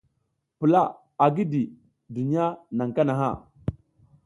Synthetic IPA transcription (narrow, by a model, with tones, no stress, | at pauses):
pə˨la˦ | a˨ɡi˦di˨ | du˨ni˦ja˦na˨ŋka˦na˨ɦa̰˦˨